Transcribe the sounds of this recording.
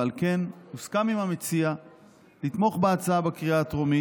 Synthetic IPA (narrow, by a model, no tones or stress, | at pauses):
alke̞nuskamimamet͡sia | lit̪mo̞χbeat͡saabekʁiat̪ʁomi